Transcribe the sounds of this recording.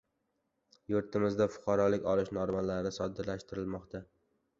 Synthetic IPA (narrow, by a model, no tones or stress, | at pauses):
jʊɾt̪ʰɪmɪzd̪afʊ̥qʰɑɾɒlɪkʲɒlɪʃnɒɾmalaɾnɪsɒd̪ɪɾlaʃt̪ɪɾɪlmɒqt̪ʰa